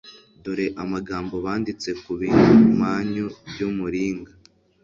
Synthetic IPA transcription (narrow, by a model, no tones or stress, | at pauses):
doɾe̞ʔamaɡaːmbo̞βaːndit͡se̞kuβiːn̥humaːɲobɟumuɾiːŋɡa